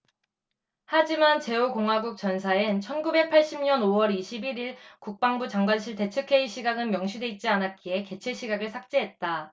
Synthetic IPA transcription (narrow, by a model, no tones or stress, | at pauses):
had͡ʑimant͡ɕe̞okoŋɦaɡuk̚t͡ɕ͈ʌnsʰaɯnt͡ɕʰʌnɡube̞k̚pʰaɭɕ͈imɲʌnowʌɾiɕʰibiɾiɭkuk̚p͈aŋbut͡ɕaŋɡwanɕʰiɭte̞t͡ɕʰɯkʰe̞iɕʰiɡaɡɯnmjʌŋɕʰudwe̞it̚t͡ɕ͈ianɦat̚k͈ie̞ke̞t͡ɕʰeɕʰiɡaɡɯɭsʰak̚t͡ɕ͈eɦe̞t̚t͈a